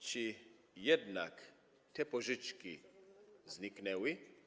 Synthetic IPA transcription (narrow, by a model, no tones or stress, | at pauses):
t͡ʃi | jɛd̪nak | t̪ʰɛpoʒit͡ʃki | zniknɛwi